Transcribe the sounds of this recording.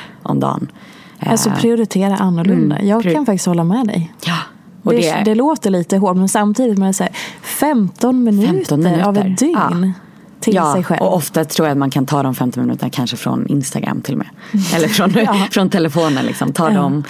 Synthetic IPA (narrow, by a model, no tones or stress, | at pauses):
ʔɔ̰md̪ɑ̰ːn | alsɔpʰɾɪʊɾɪt̪ʰeːɾaʔanːʊɭɵnd̪a̰jɑːɡkʰanfak̚t̪ɪ̥st̪hɔlːamɛd̪ɛ̰jj | dɔɛd̪ɛd̪ɛloːt̪əɭiːt̪əɦoːʈmɛnsamt̪ʰiːd̪ɪt̪mɛnasæːɾfɛmt̪ɔnmɪnːəɾavɛd̪ʏŋn | t̪ʰɪj̪ːsɛjɧɛ̰lɔʔɔft̪at̪ʰɾuːjat̪mankʰant̪ʰɑːd̪ɔmfɛmt̪ɔnmɪnʉ̟ːt̪ənakʰanʂəfɾɔ̰nɪ̰nst̪aɡɾa̰mːt̪ʰɪlmɛ̰ʔɛlːəɾfɾɔnfɾɔnt̪ʰɛlɛfoːnə̰nlɪ̰ksɔmt̪ʰɑːd̪ɔm